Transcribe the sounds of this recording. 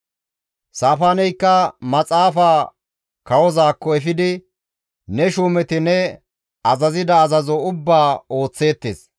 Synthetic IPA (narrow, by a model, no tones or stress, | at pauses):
saːfaːnɛjkːɐmɐt͡sʼaːfaː | kɐwɔzaːkːɔɛfɪd̪ɪ | nɛʃuːmɛt̪ɪnɛ | ɐzɐzɪd̪ɐːzɐzɔʊbːaːo̞ːt͡sːe̞ːt̪ːḛːs